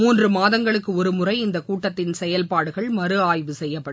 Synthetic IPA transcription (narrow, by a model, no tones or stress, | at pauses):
muːndrɯmaːðɐŋɡɐɭɯkːɯɔɾɯmʊrɐɪɪnd̪ɐkuːʈːɐt̪ːɪnsɛjɐlpaːɽɯɣɐɭmɐɾɯaːjʋɯsɛjːɐpːɐɽɯ